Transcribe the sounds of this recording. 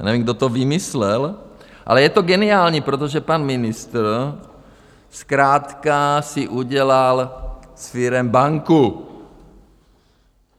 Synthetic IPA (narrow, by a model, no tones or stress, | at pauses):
nɛvimɡ̚do̞t̪ovɪmɪslɛlʔa̰lɛjɛt̪oɡɛnɪaːlɲipɾot̪̬oʒɛpanmɪnɪst̪r̩ | skɾaːt̪kasɪʔuɟɛlalsfɪɾɛmbaŋku